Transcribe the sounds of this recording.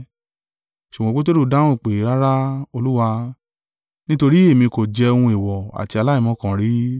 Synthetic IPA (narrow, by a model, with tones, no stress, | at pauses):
ʃu˨ɡɔ̃˨˧k͡po˦t̬e˦ɾu˦˨dã˦ũ˦˨k͡pe˨˦ɾa˦ɾa˦o˧lu˦wa˧ | nĩ˦to˧ɾi˦e˦˨mĩ˧ko˨d͡ʒɛ˧o˧hũ˧i˨wɔ˨a̰˨ti˧a˧la˦ĩ˦˨mɔ̃˨˦kã˨ɾi˨˦